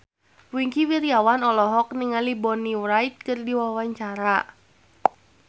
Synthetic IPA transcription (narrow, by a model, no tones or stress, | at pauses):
wiŋkiwiɾiawanɔlɔɦɔk̚niŋalibɔniwɾait̪̚kɨrdiwawaɲt͡ʃaɾa